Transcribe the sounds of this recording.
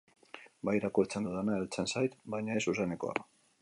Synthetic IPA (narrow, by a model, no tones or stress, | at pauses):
bajɾakuɾt͡send̪uðanaelt͡sensajt̪bajɲae̞suseneko̞̰a̰